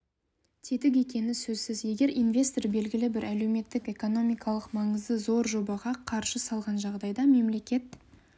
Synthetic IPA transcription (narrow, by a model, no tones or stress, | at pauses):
t̪ʰe̞t̪ɪk̬e̞kʲe̞nɪsɵzsɪzje̞ɡʲe̞ɾinvʲe̞st̪orbe̞lɡʲɪlɪbɪɾʔæle̞wme̞t̪ːɪke̞ko̞no̞mijkʰɑlˠəqmɑɴəzd̪əzo̞ɾʒo̞bɑʁɑqʰɑɾʃəsɑlˠʁɑnʒɑʁd̪ɑjd̪ɑme̞mle̞kʲe̞t̪̚